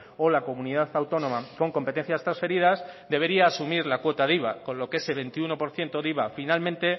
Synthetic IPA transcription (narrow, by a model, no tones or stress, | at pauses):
o̞lako̞muniðaθawt̪o̞nõ̞mako̞ŋko̞mpet̪e̞n̟θjast̪ɾansfe̞ɾiðazd̪e̞β̞e̞ɾiaːsumiɾlakwo̞t̪aðiβako̞nlo̞keeseβ̞e̞nt̪iuno̞po̞ɾθje̞nt̪o̞ðiβafinalmẽnt̪e̞